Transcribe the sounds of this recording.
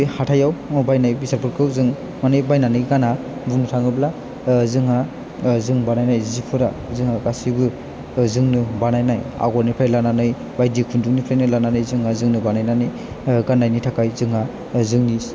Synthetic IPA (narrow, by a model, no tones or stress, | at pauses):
hatʰajawbajnajbisaɾpʰɯɾkʰɯwzɯŋ | manɯjbajnanɯɡana | buŋnɯtʰaŋɯbla | zɯŋa | zɯŋbanajnajzipʰɯɾa | zɯŋhakasibɯ | zɯŋnɯbanajnaja̰ɡɔɾnipʰajlananɯj | bajdikʰunduŋnipʰlajnɯlananɯjzɯŋazɯŋnɯbanajnanɯj | ɡanːajnitʰakʰajzɯŋa | zɯŋnis